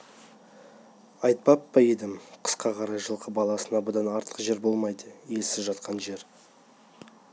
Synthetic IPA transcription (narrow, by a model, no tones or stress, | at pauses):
ɑjt̪̚pɑpːɑed̪ɪmqʰə̥sqɑqʰɑɾɑjʒəlˠqʰəbɑlˠɑsənɑbəd̪ɑnɑɾt̪ʰə̥qʒe̞ɾbo̞lˠmɑjd̪əjesɪzʒɑt̪qʰɑnʒe̞ɾ